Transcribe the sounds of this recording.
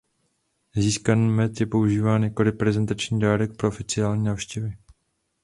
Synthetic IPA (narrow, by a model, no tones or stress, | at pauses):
ziːskanːmɛt̪jɛpo̞uʒiːvaːnjɛko̞lɪpɾɛzɛnt̪at͡ʃɲiːdaːɾɛk̚pɾoʔofɪt͡sɪaːlɲiːnaːfʃcɛvɪ